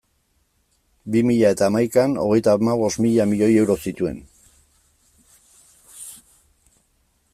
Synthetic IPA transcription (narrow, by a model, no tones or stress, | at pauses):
bimiʎae̞t̪aːmajkano̞̰ɣ̞e̞jt̪amaβ̞o̞smiʎamiʎo̞je̞wɾo̞sit̪ue̞̰n